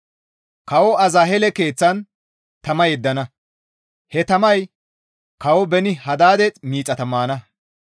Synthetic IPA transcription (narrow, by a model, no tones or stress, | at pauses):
kɐwɔɐzɐɦɛlɛke̞ːt͡sːɐn | t̪ɐmɐjɛd̪ːɐnɐ | hɛt̪ɐmɐj | kɐwɔbɛnɪhɐd̪aːd̪ɛmiːt͡sʼːɐt̪ɐmːaːnɐ